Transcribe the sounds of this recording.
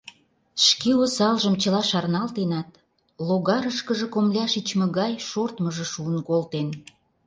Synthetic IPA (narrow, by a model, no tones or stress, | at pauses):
ʃkeosɑlʒəmt͡ɕə̆lɑʃɑrnɑlt̪enɑt̪̚ | loɣɑɾəʃkəʒĕkomlʲɑʃit͡ɕmə̆ɣɑjʃort̪məʒə̆ʃuənkolt̪en